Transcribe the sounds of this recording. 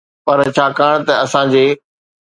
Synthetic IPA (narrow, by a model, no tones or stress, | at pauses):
pɐɾt͡ɕʰaːkaːɽ̃t̪ɐɐsãd͡ʑeː